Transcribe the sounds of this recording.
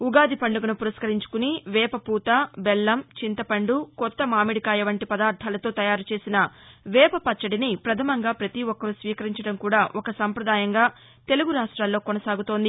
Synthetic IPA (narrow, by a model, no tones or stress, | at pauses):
uɡaːd̪ipɐɳɖuɡɐnupuɾɐskɐɾiɲt͡ʃu̥kuniʋɛːpɐpuːt̪abɛlːɐmt͡ʃint̪ɐpɐɳɖukɔt̪ːɐmaːmiɽikaːjɛʋɐɳʈipɐd̪aːɾt̪ʰːaːlɐt̪o̞ːt̪ɐjaːɾut͡ʃe̞ːsinɐʋɛːpɐpɐt͡ʃːɐɽinipɾɐt̪ʰɐmɐŋɡaːpɾɐt̪iwɔkːɐɾusʋiːkɐɾiɲt͡ʃɐɽɐmkuːɽaːʔɔkɐsɐmpɾɐd̪aːjɐŋɡaː | t̪e̞luɡuɾaːʂʈɾaːlːo̞ːkɔnɐsaːɡut̪o̞ːnd̪i